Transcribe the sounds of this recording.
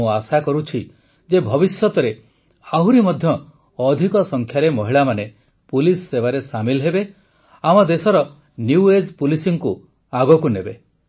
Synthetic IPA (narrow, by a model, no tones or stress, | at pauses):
ũasakɔɾut͡ʃʰi | d͡ʒebʱɔbisjɔt̪ɔɾe | aɦuɾimɔd̪ʱjɔː | d̪ʱikɔsɔŋkʰjaɾemɔɦiɭamane | pulisːebaɾesamilɦebe | amɔd̪esɔɾɔ | njued͡ʒpulisiŋku | aɡɔkunebe